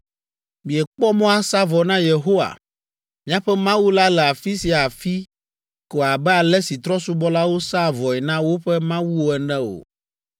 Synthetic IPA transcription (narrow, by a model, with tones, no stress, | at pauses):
mĩ˨ɛ˨k͡pɔ˦mɔ̃˦a˦sa˦vɔ˨nã˦je˨ɦo˦wa̰˨ | mĩ˦ã˦ɸɛ˦mã˦wu˦la˦lɛ˨a˨fi˦si˨a˨fi˦ | ko˨a˨bɛ˦a˨lɛ˦si˨t̪ɾɔ˦su˦bɔ˦la˦wo˦sa˦˨vɔ˨ɛ˨nã˦wo˦ɸɛ˦mã˦wu˦wo˦ɛ˨nɛ̃˦o̰˨